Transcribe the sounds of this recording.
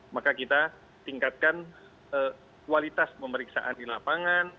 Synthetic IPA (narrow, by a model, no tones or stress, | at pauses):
makakit̪a | t̪iŋkat̪̚kan | ə | kualit̪aspəməɾiksa̰ʔandilapaŋan